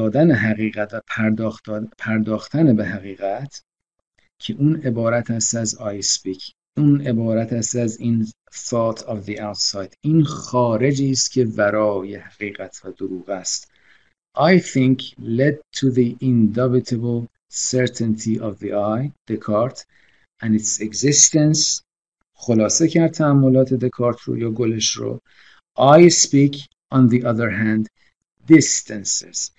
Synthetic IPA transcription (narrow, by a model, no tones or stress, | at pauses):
ɒːd̪æneɦæɣiːɣæt̪væ | pʰæɾd̪ɒːxt̪ʰænebeɦæɣiːɣæt̪ʰ | cʰe̞ʔuːne̞bɒːɾæt̪ʰæst̪æzɑjspikʰ | uːne̞bɒːɾæt̪ʰæst̪æziːn | θɔt̪ʰɒvðiawt̪sɑːjd̪̥iːnxɒːɾe̞d͡ʒiːst̪cʰʲe̞væɾɒːje̞hæɣiːɣæt̪ʰvæd̪oɾuːɣæst̪ | ʔɑjθĩŋkʰled̪̚t̪ʰuðiind̪obit̪ʰebol | seɾt̪ʰẽnt̪ʰiʔɒvðḭʔajd̪̥ekʰɑɾt̪ʰ | ʔæ̃nit̪seɡzist̪ens | χolɒːsecʰæɾd̪̚t̪ʰææmːo̞lɒːt̪ʰed̪ekʰɑːɾt̪ʰɾo̰jɒːɡoleʃɾo̰ | ʔajspiːkʰ | ɔ̃nðiʔʌðeɾɦænd̪ː | ist̪ʰænsḛz̥